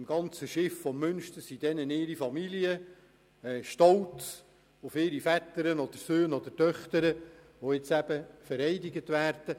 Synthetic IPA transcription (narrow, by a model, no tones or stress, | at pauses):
ɪmɡ̥ɑnt͡səʃɪffɔmːʏnʃt̪əsid̥ɛnənɪːɾifɑmiliə | ɛʃtɔlts | ʊfɪːɾifæt̪əɾənɔd̥̪əɾsøːnɔd̪ətœχt̪əɾə | ʋoɪt͡sæb̥əfəɾɛɪdɪɡət̪ʋæːɾd̪̥ə